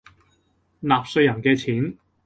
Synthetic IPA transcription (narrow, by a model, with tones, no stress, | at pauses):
naː˨p̚sɵ˧ɥjɐ˨˩nkɛː˧t͡sʰiː˨˥n